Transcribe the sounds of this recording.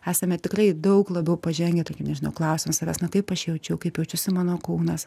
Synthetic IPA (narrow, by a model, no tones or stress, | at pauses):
æːsʲɐmʲɛt̪ʲɪkrɐɪd̪ɐʊklˠɐbɛʊpɐʒʲɛŋʲɡʲɛt̪okʲɪmnʲɛʒʲɪnɐʊklˠɐʊsʲɪmɐsɐʋʲæːsnɐkɐɪpɐʃjɛʊt͡ʃʲɛʊkɐɪpjɛʊt͡ʃʲʊsʲɪmɑːnoːkuːnɐs